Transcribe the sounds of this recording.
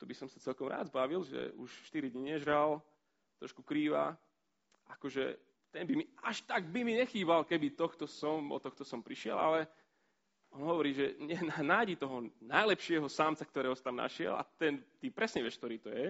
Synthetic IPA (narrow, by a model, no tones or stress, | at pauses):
t̪ɔbisɔmsat͡sɛlkɔmɾa̰ːd̪zbaːʋilʒɛ̰uʃfʃt̪iɾid̪ɲɛʒɾal | t̪ɾɔʃkukɾiːʋa̰ | ʔakɔʒɛ̰ | t̪ɛnbimiaʃt̪aɡbimiɲɛxiːbalkɛbit̪ɔxt̪ɔsɔmɔ̰t̪ɔxt̪ɔsɔmpɾiʃɪɛ̰la̰lɛ | ɔnɦɔʋɔɾiːʒɛɲɛnanaːjɟit̪ɔɦɔnajlɛpʃɪɛɦɔsamt͡sak̚t̪ɔɾɛːɦɔsḁt̪amna̰ʃɪɛ̰la̰t̪ɛnt̪ipɾɛsɲɛʋɪɛʃkt̪ɔɾiːt̪ɔjɛ